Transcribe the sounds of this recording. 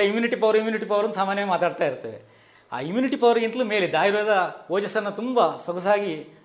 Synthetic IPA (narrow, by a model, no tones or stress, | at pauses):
ɐimjuːniʈipɐʋɾimjuːniʈipɐʋɐɾɐnːusaːmaːnjɐmaːt̪aːɖ̚t̪aːjiɾut̪ːɐʋḛ | a̰ːimjuːniʈipɐʋɾɡint̪ɐlumeːled̪aːjɾeːd̪ɐoːd͡ʒɐsɐɾnːɐt̪umbɐsɐɡɐs̬aːɡi